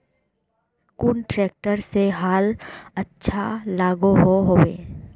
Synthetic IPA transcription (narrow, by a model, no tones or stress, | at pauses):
kʊnʈɾɛːk̚ʈəɾseɦaːlɐtːʃʰalaːɡoɦoɦoːḛː